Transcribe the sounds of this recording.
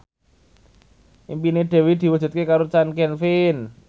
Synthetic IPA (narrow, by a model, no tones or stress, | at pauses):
ʔimpineɖ̪̥ɛ̤wid̪̥i̤wəd͡ʒ̥ṳt̪̚kekaɾot͡ʃankɛnfin